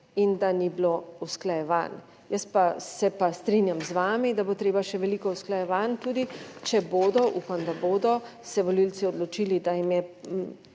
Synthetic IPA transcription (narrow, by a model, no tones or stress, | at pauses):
ind̪aniblousklajɛʋa̰ːn | jəspasɛpast̪ɾinjamzʋaːmid̪abot̪ɾeːbaʃɛʋɛlikɔusklajɛʋant̪uːd̪it͡ʃɛboːd̪ɔʔuːpamd̪aboːd̪ɔ | sɛʋɔlilt͡s̪iɔd̪lɔt͡ʃiːlid̪ajimjɛ